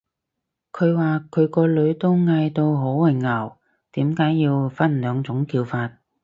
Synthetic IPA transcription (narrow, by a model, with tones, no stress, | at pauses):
kʰɵ˨˧ɥwaː˨˩kʰɵ˨˧ɥkɔː˧lɵ˨˧ɥt̪o˥wŋa˧jt̪o˧wɦo˨˥wwɐ˨˩jŋɐ˨˩w | t̪iː˨˥mkaː˨˥jːiː˧wfɐ˥nlœː˨˧ŋt͡sʊ˨˥ŋkiː˧wfaː˧t̚